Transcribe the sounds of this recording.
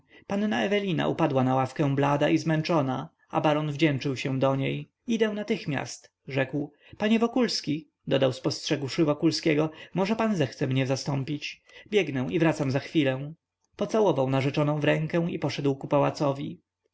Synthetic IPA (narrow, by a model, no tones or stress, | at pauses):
panːaɛvɛlʲina̰ʔupad̪wanawafkɛ̃w̃blad̪aʔizmɛnt͡ʂɔna | a̰baɾɔnvd͡ʑɛnt͡ʂɘwɕɛ̃w̃d̪ɔɲej | id̪ɛ̃w̃nat̪ɘxmʲja̰st̪ | ʐɛkw | paɲɛvɔkulskʲi | d̪ɔd̪awspɔstʂɛɡwʂɘvɔkulskʲɛɡɔmɔʐɛpanzɛxt̪sɛmɲɛzast̪ɔmpʲit͡ɕ | bʲjɛɡnɛ̃w̃ivɾat̪samzaxfʲilɛ̃w̃ | pɔt̪sawɔvawnaʐɛt͡ʂɔnɔ̃w̃vɾɛŋkɛ̃w̃ipɔʂɛd̪wkupawat̪sɔvʲḭ